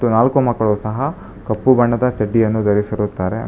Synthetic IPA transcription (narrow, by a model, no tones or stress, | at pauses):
unaːlkumɐkːɐɭoːsɐɦɐ | kɐpːubɐɳːɐd̪ɐt͡ʃɐɖːijɐnːud̪ɐɾisiɾut̪ːaːɾḛ